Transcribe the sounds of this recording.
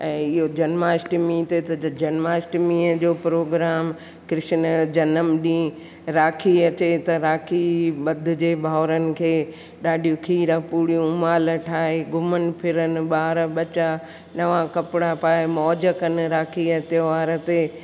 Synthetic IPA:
ɛ̃ːɪɦod͡ʑɐnmaːɪsʈmĩːt̪et̪ɐd͡ʑɐnmaːɪsʈmĩːəd͡ʑoːpɾoːɡɾaːm | kɾɪʃnəd͡ʑɐnəmɗĩː | ɾaːkʰiɐt͡ɕet̪ɐɾaːkʰiɓɐd̪ʱʊ̆d͡ʑeːbʱaːɾənɪ̆kʰeː | ɗaːɖijũkʰiːɾə̃puːɾijũmaːləʈʰaːɦeɡʊmənɪ̆pʰɪɾənɪ̆ɓaːɾɓɐt͡ɕaː | nɐʋãkɐpɪɽapaːemɔːd͡ʑəkənɪ̆ɾaːkʰiɐt̪joʋaːɾət̪e

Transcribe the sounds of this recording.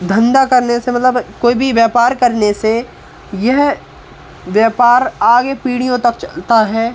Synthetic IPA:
d̪ʱɐ̃nd̪akɐɾnesemɐt̪ləbkoːibʱiʋjaːpaːɾkɐɾnese | jɛɦ | ʋjaːpaːɾaːɡepiːɽijõt̪ɐkt͡ʃɐlt̪aɦɛː

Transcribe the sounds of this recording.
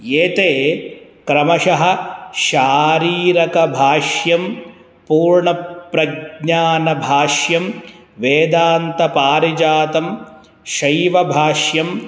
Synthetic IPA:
eːt̪eːkɾɐmɐʃɐɦɐ̆ʃaːɾiːɾɐkɐbʱaːʃjɐm | puːɾɳɐpɾɐɡɲaːnɐbʱaːʃjɐm | ʋeːd̪aːnt̪ɐpaːɾid͡ʒaːt̪ɐm | ʃɐjʋɐbʱaːʃjɐm

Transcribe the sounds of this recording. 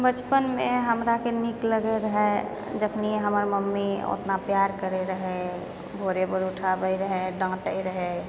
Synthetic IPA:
bət͡ʃpənmeɦəmɾakenikləɡɛɾəɦɛ | d͡ʒəkʰnieɦəməɾməmːio̰t̪napjaɾkəɾeɾəɦɛ | bʱoɾebəɾuʈʰabəjɾəɦɛɖə̃ŋɡʈəiɾəɦɛ

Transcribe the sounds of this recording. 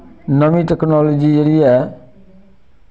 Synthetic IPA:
nəʋĩʈɛknɔːloːd͡ʒid͡ʒeɾiɛː

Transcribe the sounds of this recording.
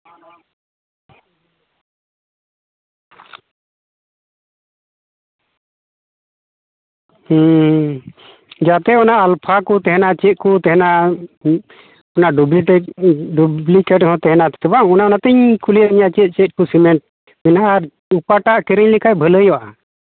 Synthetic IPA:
h | d͡ʒat̪ɛɔnaʔalpʰakɔt̪ɛɦɛnat͡ʃɛt̪̚kɔt̪ɛɦɛna | ɔnaʔɖub | ɖublikɛʈhɔ̃t̪ɛɦɛnat̪ɛ̥ɛbaŋɔnaɔnat̪ɛɲkʰuliəɲaʔt͡ʃɛt̪̚ˀt͡ʃɛt̪̚kusimɛɳʈ̚ | mɛnaʔaɾ | upaʈaʔkɛɾəɲlɛkʰajbʱələjɔʔa

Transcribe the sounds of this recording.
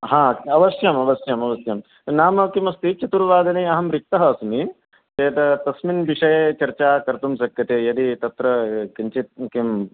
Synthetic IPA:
ɦãːɐʋɐsjɐmɐʋɐsjɐmɐʋɐsjɐm | naːmɐkimɐst̪it͡ʃɐt̪uɾʋaːd̪ɐneɐɦɐmɾik̚t̪ɐɦɐːsmi | t͡ʃɐjɐt̪ɐt̪ɐsminʋiʂɐjet͡ʃɐɾt͡ʃaːkɐɾt̪umsɐkjɐt̪ejɐd̪it̪ɐt̪ɾɐkiɲt͡ʃit̪̚kim

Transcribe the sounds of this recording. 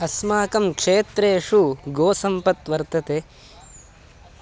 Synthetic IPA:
ɐsmaːkɐmkʂeːt̪ɾeːʂuɡoːsɐmpɐt̪ʋɐɾt̪ɐt̪e

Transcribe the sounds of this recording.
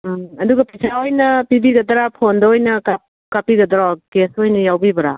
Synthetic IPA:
ɐduɡɐpisʰaojnɐpibiɡɐd̪ɐɾapʰondɐojnɐkap̚ | kapiɡɐd̪ɐɾakesojnɐjawbibɐɾa̰

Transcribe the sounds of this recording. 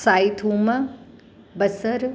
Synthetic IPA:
saːit̪ʰuːmɐ | bɐsɐɾ

